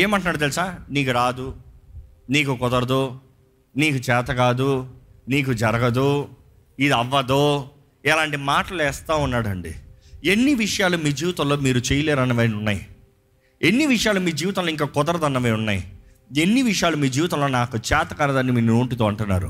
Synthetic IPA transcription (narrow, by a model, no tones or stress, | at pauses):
eːmɐɳʈ̬unaːɽut̪̬elisaːniːkuɾaːd̪u | niːkukɔd̪ɐɾɐd̪o | niːkut͡ʃɛːt̪ɐkaːd̪uniːk̬ud͡ʒɐɾɐɡɐd̪u | id̪iɐʋːɐd̪oː | ɛlaːɳʈimaːʈɐlɛːst̪aːunːaːɽɐɳɖḭenːiʋiʂɐjaːlumiːd͡ʒiːʋit̪ɐlːo̞ːmiːɾut͡ʃejɐleːɾɐnɐʋeːnunːaːji | enːiʋiʂɐjaːlumiːd͡ʒiːʋɐt̪ɐloːiŋkaːkɔd̪ɐɾɐd̪ɐnːɐʋeːunːaːji | enːiʋiʂɐjaːlumiːd͡ʒiːʋt̪ɐ̃lːo̞ːnaːkut͡ʃɛːt̪ɐkɐnɐd̪ɐnimiːnoːʈit̪oːɐɳʈunːa̰ːɾṵ